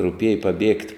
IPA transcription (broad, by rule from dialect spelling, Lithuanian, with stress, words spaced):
rʊˈpʲiɛjɛ pɐˈbʲiɛktʲ